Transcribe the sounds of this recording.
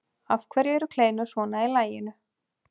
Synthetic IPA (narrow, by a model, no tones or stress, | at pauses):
afkʰvɛɾjɪɛɾʏkʰleːjnʏsvɔːnailaːjɪnʏ